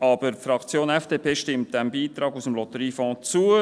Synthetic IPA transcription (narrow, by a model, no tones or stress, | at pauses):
ɑb̥əɾfɾɑkt͡sjoːnɛfd̥eːpʰeːʃtɪmt̚d̥̪æmbiːt̪ɾɑːɡusəmlɔt̪əɾiːfɔ̃ːt͡suə